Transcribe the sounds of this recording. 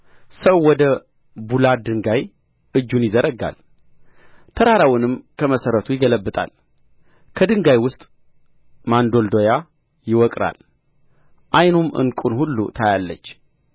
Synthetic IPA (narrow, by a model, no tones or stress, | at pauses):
səwːɔd̪ə | bulad̪ɨŋɡaj | ɨd͡ʒːunjɪzəɾəɡa̰l | t̪ʰəɾaɾawʊnɨmkʰəməsəɾət̪ʰujɪɡələbːɨt̪ʼa̰l | kʰəd̪ɨŋɡajwʊst̪ʼ | mand̪o̞ld̪o̞ja | jɪwɔkʼɾa̰l | ʔajnumʔɨ̰nkʼunhulːṵt̪ʰajalːət͡ʃː